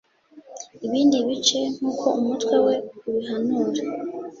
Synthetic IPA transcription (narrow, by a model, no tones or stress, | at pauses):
iβiːndiβit͡ʃe̞n̥uːkʰo̞umutwe̞we̞uβiɦanuːɾa